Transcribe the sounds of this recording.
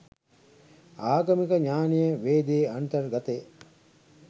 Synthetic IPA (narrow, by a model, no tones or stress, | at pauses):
aːɡɐmikɐɲaːnijəʋeːd̪eːɐnt̪ɐɾɡɐt̪e